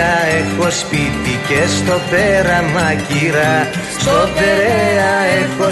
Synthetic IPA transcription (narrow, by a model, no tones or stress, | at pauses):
ɐexo̞spiθicest̪o̞peɾɐmɐciɾɐ | sot̪eɾeɐexo